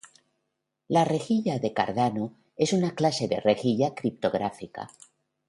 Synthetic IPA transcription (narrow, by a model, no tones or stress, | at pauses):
lare̞xiʎaðe̞ka̰ɾðano | e̞sunaklase̞ðe̞̰re̞xiʎakɾip̚t̪o̞ɣ̞ɾafika̰